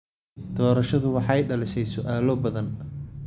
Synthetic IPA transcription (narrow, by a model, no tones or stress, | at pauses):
d̪̥ɔːɾɐʃɐðʊwɑħɑjɖɐlɪʃɛjsʊʔaːlɔbɐðɐn